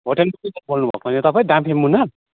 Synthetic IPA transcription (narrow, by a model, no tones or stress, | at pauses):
ɦoʈelmatitʌbolnubʱʌ̰konet̪ʌpaĩɖãmpʰemunʌr